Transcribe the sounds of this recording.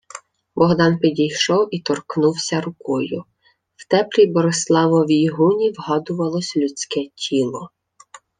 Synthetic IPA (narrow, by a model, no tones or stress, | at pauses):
bɔɦd̪ɑnpʲidʲijʃɔwit̪ɔrknuwsʲɐɾʊkɔjʊ | w̥t̪ɛplʲibɔɾeslˠɑʋɔʋʲijɦunʲiwɦɑd̪ʊʋɐlˠɔsʲlʲʊt͡sʲkɛtʲʰilˠɔ